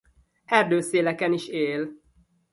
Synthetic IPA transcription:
ɛrd̪øːseːlɛkɛniʃeːl

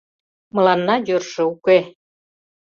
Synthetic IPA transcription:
mɤ̆lɑnːɑjørʃĕuke

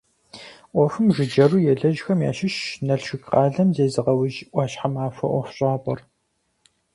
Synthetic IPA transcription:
ʔʷɔfɨmʒʷɪd͡ʒɐruːjɛɮɐʒxɐmja̰ːʃɪʃnɐɬʃʷɪkʼqɑːɮɐmzeːzɨʁɐwʊʒʔʷɑːɕħamaːfɐ̰ʔʷɔfɕʼaːpʼɔr

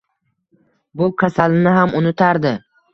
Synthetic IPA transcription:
bʊkʲʰasalnɪɦamʊnɪt̪ʰaɾd̪ɪ

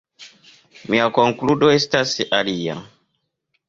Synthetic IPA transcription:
miakoŋkludoestasalia̰

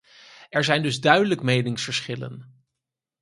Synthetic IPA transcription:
ɛɹzɛjndɵzdœɥdələkmejnɪŋsfəɹsχɪlə̰n

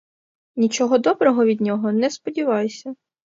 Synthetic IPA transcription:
nʲit͡ʃɔɦɔd̪ɔbɾɔɦɔʋʲid̪ʲnʲɔɦɔnɛspɔdʲiʋɑjsʲɐ

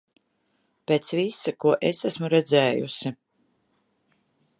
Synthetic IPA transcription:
peːt̪svisakuɔʔesæsmuɾɛd̪zɛːjṵsi

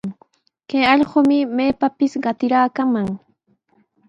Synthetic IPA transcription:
kajɑʎɢomɪmejpapɪsɢɑt̪ɪɾaːkamaŋ

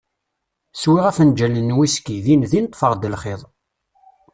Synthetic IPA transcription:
swiʁæfənd͡ʒænənːwiskiðinðinət̪ˤːfəʁd̪əlχeðˤ

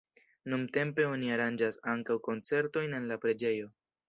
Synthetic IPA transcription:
numte̞mpe̞o̞niaɾand͡ʒasaŋkawko̞nt͡se̞ɾto̞jne̞nlapɾe̞d͡ʒe̞jo̞

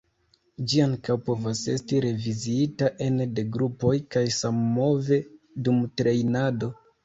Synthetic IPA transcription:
d͡ʒiaŋkawpo̞vase̞stiɾe̞viziitaʔe̞nde̞ɡɾupo̞jkajsamːo̞ve̞ | dumtɾe̞jnado̞

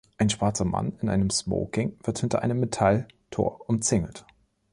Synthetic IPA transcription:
ʔaɪnʃv̥aɐt͡sɐma̰nɪnʔa̰ɪnəmsmo̰ʊkɪŋv̥ɪɐthɪntɐʔaɪnəmːetʰal | tʰo̰ːɐʔʊmt͡sɪŋəl̩t

